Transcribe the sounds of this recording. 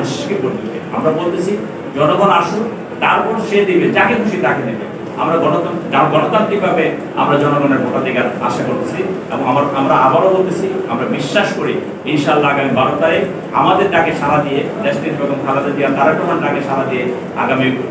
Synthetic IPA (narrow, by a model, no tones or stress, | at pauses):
iʃʃkekoɾt̪it̪ea̰mɾabolt̪et͡ɕʰi | d͡ʑɔnoɡonaʃu | t̪aɾpɔɾʃed̪ibed͡ʑaked̪ʱuʃit̪aked̪ibe | a̰mɾaɡɔnoaɡɔnot̪ant̪ɾik̚bʱabe | a̰mɾad͡ʑɔnoɡoneɾbʱɔkad̪iɡaɾa̰ʃekoɾt̪et͡ɕʰiḛbɔŋamaɾamɾaabaɾobolt̪et͡ɕʰia̰mɾabiʃːaʃkoɾi | inʃaalːaaɡamibaɾot̪aɾe | a̰mad̪eɾʈakeʃaɾad̪ije | d̪eʃt̪id̪ibeboŋkʰaɾad̪ed̪ijant̪aɾɛkʈomanɖakeʃaɾad̪ije | a̰ɡamik